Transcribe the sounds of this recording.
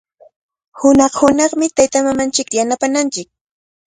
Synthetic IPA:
hʊnɑχhʊnɑχmɪt̪ajt̪amamant͡ʃɪkjanapanant͡ʃɪk̚

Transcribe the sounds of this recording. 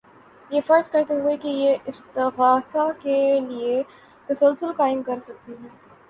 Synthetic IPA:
jeːfɐɾzkɐɾt̪eɦuekejeɪst̪ɪɣaːsakelie | t̪ɐsɐlsʊlkaːɪmkɐɾsɐk̚t̪iɦɛː

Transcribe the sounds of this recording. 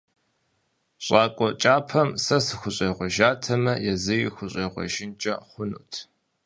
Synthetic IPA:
ɕʼaːkʷʼɔt͡ʃʼaːpʰɐmsɐsɨxʷʊɕʼeːʁʷɔʒaːtʰɐmɐjɛzɨjixʷʊɕʼeːʁʷɔ̰ʒɪnt͡ʃʼɐχʷʊnṵːtʰ

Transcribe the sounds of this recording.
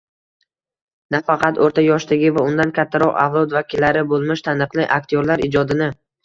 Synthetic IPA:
nafɑqʰɑt̪oɾt̪ʰajɒʃt̪aɡʲɪvaʊnd̪ankʲʰat̪ʰːaɾɒqa̰vlˠɒd̪vakʲɪlːaɾɪbolˠmɪʃt̪ʰanɨqlˠɪʔak̚t̪ʰijoɾlaɾɪd͡ʒɒd̪ɪnɪ

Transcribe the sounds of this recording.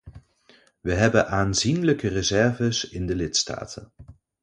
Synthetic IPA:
ʋəɦɛbənʔaːnzinləkərəzɛɹvəsɪndəlɪtsta̰ːtʰə̰n

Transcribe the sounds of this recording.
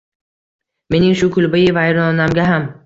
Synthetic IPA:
me̞nɪŋʃʊkʰʊlˠbɪjɪvajɾɒnɒnamɡʲaɦam

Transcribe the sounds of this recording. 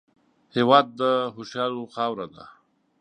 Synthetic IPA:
hewɑd̪̚ːəɦʊʃjɑloxɑwɾad̪a̰

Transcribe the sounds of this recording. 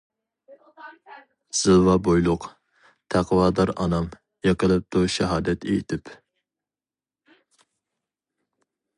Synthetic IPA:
z̥ɨlˠvɑbojlˠʊq | t̪ʰæqʰwɑːd̪ɑɾɑ̰nɑm | jɑqʰəlˠɨp̚t̪uʃɛɦɑːd̪ɛt̪ejit̪ʰɪp

